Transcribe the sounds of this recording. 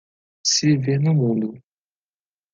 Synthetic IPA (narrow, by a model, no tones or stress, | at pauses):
sivenɐmũnd̪ʊ